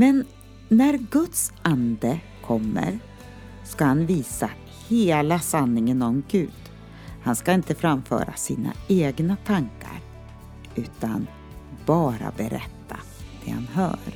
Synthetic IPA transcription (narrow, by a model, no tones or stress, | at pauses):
mɛnː | æɾɡɵt̪sʔand̪ə | kʰɔmːə̰ɾ | skahanviːsa | heːlasanːɪŋənɔmɡʉ̟ːd̪̥ | hanskaɪnt̪əfɾamfœ̰ːɾasḭːna̰eːɡnat̪ʰaŋka̰ɾ | ʔʉ̟ːt̪an | bɑːɾa̰bɛɾɛ̰t̪ʰːa | d̪̥ɛ̰ha̰nɦœ̰ːɾ